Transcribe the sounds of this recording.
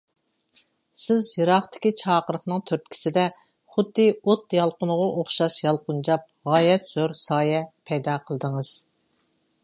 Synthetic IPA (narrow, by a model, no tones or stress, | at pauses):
sɪzjɨɾɑχt̪ʰɪ̥kʲit͡ʃʰɑːqəɾəχnɨŋt̪ʰøɾt̪̚kʲʰi̥sɪd̪ɛ | χʊd̪ːɨot̪jɑlˠqʊnʊʁɑʔoχʃɑʃjɑlˠqʊnd͡ʒɑp̚ʁɑːjɛt̪z̥oɾsɑːjɛpʰɛjd̪ɑqʰəlˠəd̪əŋəz̥